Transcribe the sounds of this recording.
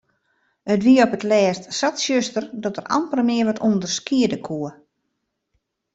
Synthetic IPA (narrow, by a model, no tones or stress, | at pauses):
ətʋiəɔpətlɛːstsatsjøstərdɔtərʔa̰mpəlmɪəʋɔtʰundərskiədəkʰuə